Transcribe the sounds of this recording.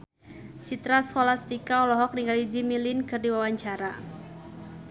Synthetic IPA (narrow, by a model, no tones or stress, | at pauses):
t͡ʃit̪ɾaskolast̪ikaɔlɔɦɔk̚niŋɡalid͡ʒimilinkɨrdiwawaɲt͡ʃaɾa